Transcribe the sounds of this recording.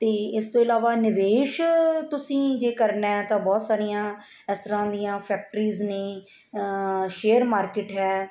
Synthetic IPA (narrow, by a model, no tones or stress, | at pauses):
t̪eːɪst̪õːɪlaːʋaːnɪʋeːʃt̪ʊsĩːd͡ʒeːkəɾnɛːt̪ãːbɔːt̪saːɾijãː | ɪst̪əɾãːd̪ijãːpʰɛːk̚ʈɾiːzneː | ʃeːəɾmaːɾkɪʈɦɛː